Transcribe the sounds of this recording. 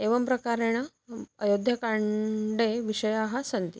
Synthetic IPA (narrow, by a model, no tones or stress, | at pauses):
eʋəmpɾəkaɾeɽ̃a | əjod̪ʱjɐkaɳɖeʋiɕəjaɦasənt̪i